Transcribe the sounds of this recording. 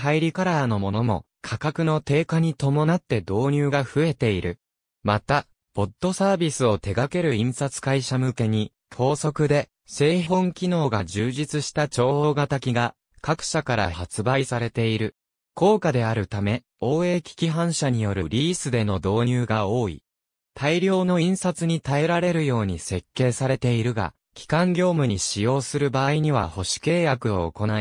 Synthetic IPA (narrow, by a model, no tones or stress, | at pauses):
ɦaiɾʲikaɾano̞mo̞nomo̞̰ | kʰakakɯ̟no̞t̪e̞ːkaɲ̟it̪o̞mo̞nat̪ːe̞d̪o̞ːɲ̟ɨːɡaɸɯ̟e̞t̪e̞iɾɯ̟ | mat̪a | b̥o̞t̪ːo̞saːbʲisɨo̞t̪e̞ɡake̞ɾɯ̟ĩɰ̃sat͡sɨ̥kaiɕamɯ̟ke̞ɲ̟i | t̪ʰo̞ːso̞kɯ̟d̪e̞ | se̞ːɦõ̞ŋkʲino̞ːɡad͡ʑɨːʑit͡sɨɕi̥t̪at͡ɕo̞ːoɡat̪akʲiɡa | kakɯ̟̥ɕakaɾa̰hat͡sɨbaisaɾe̞t̪e̞iɾɯ̟ | ko̞ːkad̪e̞aɾɯ̟t̪ame̞ | o̞ːe̞ːkʲi̥kʲiɦãɰ̃ɕaɲ̟ijo̞ɾɯ̟̰ɾʲiːsɨd̪e̞no̞d̪o̞ːɲ̟ɨːɡaoːḭ | t̪ʰaiɾʲo̞ːno̞ĩɰ̃sat͡sɨɲ̟it̪ae̞ɾaɾe̞ɾɯ̟jo̞ːɲ̟ise̞kːe̞ːsaɾe̞t̪e̞iɾɯ̟ɡa̰ | kʲi̥kãŋɡʲo̞ːmɯ̟ɲ̟iɕijo̞ːsɨɾɯ̟baːiɲ̟iβa̰ho̞ɕi̥ke̞ːjakɯ̟o̞̰ːko̞nai